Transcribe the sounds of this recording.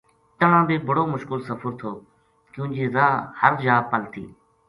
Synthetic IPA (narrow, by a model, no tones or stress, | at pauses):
t̪əɳãːd̪eːbʱəɽoːmʊʃkəlsəfʰəɾt̪ʰoː | kjũːd͡ʒeːzaːhəɾd͡ʒaːpəlt̪ʰḭː